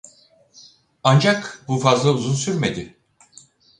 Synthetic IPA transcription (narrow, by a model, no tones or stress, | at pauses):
and͡ʒakbufazlˠauzunsyɾme̞d̪ɪ